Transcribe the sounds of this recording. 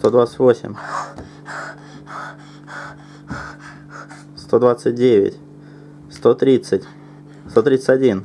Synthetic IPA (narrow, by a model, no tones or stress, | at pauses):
t̪o̞d̪vat̪sə̥tʲvo̞sʲɪ̰mʲ | st̪o̞d̪vat̪sɨt̚ʲdʲevʲɪ̰tʲ | st̪o̞t̪ɾʲit̪sɨtʲ | st̪o̞t̪ɾʲit̪sətʲɐdʲin